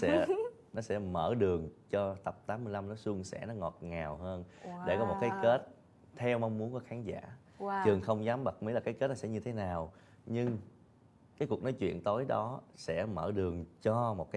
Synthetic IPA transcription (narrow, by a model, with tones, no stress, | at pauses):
sɛ̰˧˥ | nɔ˨˦sɛ̰˧˥mə̰ː˧˩ɗɨ˨˩əŋt͡ɕɔ˧t̪ə˨˩p̚t̪aː˨˦mːɨ˧jla˧mnɔ˨˦su˧ŋsɛ̰˧˥nɔ˨˦ŋɔ˨˩t̚ŋaː˨˩wɦəː˧nɗe˧˩kɔ˨˦mo˨˩t̚kaː˨˦jke˦˥t̚ | t̪ʰɛ˧wma˧wŋ͡mmu˨˦ənkɔ˨˦xaː˨˦ŋza̰ː˧˥˨ | t͡ɕɨ˨˩əŋxə˧wŋ͡mzaː˨˦mɓə˨˩k̚mi˨˦jlːa˨˩kːaː˨˦jke˦˥t̚nɔ˨˦sɛ̰˧˥ɲɨ˧t̪ʰe˨˦naː˨˩w | ɲɨ˧ŋ | kaː˨˦jku˨˩k̚nɔ˨˦jt͡ɕwḭ˧˨ənt̪o˨˦jɗɔ˨˦sɛ̰˧˥məː˧˩ɗɨ˨˩əŋt͡ɕɔ˧mo˨˩t̚kaː˨˦